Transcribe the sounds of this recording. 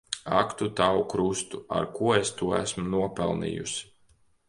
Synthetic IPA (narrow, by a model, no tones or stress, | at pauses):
akt̪ut̪awukɾust̪ua̰ɾkuɔest̪uɔæsmunuɔpɛlˠnḭːjus